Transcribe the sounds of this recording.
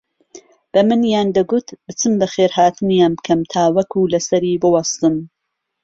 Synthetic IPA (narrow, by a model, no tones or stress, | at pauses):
b̥ɐmɨnjaːnd̪ɐɡut̪bɨt͡sɨmbɐxeːɾhaːt̪ɨnjaːnbɨkʰɐmt̪ʰaːwɐkulɐsɐɾiːbɨwɐst̪ɨm